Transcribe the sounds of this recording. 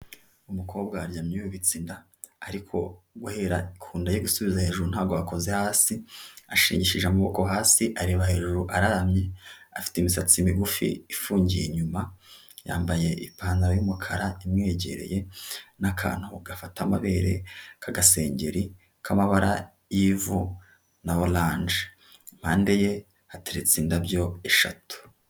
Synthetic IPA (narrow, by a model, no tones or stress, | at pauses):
umukʰo̞ːbɡaɾɟamɲioβit͡sindaː | ɾikʰo̞̰ | ɡwuhe̞ɾaikʰuːndajoɡusuβizahe̞ʒuɾun̥haːɡoako̞ze̞haːsiaʃḭːɲɟiʃiʒamuβoko̞ɦaːsiʔaɾeːβahe̞ʒuɾuʔaɾaamɲe̞afi̥temisat͡simiɡufḭːfuːɲɟije̞ɲuma | ja̰ːmbaje̞ʔipaːnaɾojumukʰaɾaimŋe̞ːɟe̞̰ɾe̞̰je̞nakʰa̰ːn̥huɡafatamaβeːɾe̞̰kʰaɡase̞ːɲɟe̞ɾi | kʰamaβaɾa̰ | jivu | naolaːnd͡ʒe | m̥haːnde̞je̞ | hateɾit͡siːndabjo̞eʃa̰tu̥